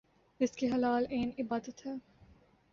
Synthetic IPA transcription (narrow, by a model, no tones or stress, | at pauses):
ɪskeɦɐlaːleːnɪbaːd̪ət̪ɦɛː